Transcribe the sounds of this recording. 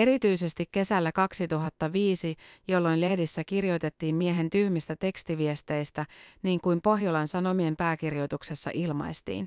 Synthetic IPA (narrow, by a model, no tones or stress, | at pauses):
e̞ɾit̪yjse̞st̪ikkːe̞sælːækɑksit̪uɦɑt̪ːɑʋiːsijo̞lːo̞jnle̞hdisːækirjo̞jt̪e̞t̪ːiːmmieɦe̞nt̪yhmist̪æt̪e̞kst̪iʋiest̪e̞jst̪æniːŋkujmpo̞ɦjolɑnsɑno̞mie̞mpæːkirjo̞jt̪ukse̞sːɑ̰ʔilmɑ̰jst̪ḭːn